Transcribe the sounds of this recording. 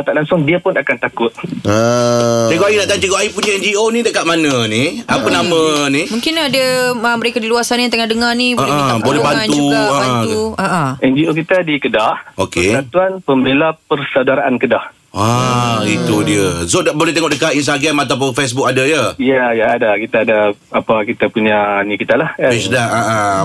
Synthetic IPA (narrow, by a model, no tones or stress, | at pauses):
t̪aʔlaŋsʊŋdiəpʊnakant̪akʊt̪̚ə | eɡoʔajinaʔt̪at͡ʃəɡoʔaipuɲaɛnd͡ʒionidəʔkaʔmanə̃niapənamə̃nimũŋkɪnadəəməɾekadiluasanjat̪əŋadəŋarniboə̃ʔəbolɛbanuaəbaʔuaʔəʔɛnd͡ʒiokit̪adikədahokesat̪uanpəmbelapərsawdaɾaʔankədah | ait̪udiəsodbolɛht̪eŋɔʔdəkainst̪aɡɾamat̪ap̬ʊnfes̬buk̚adajəjajaːdakit̪aːda | apakit̪apuɲanikit̪alahapɛsdaaʔə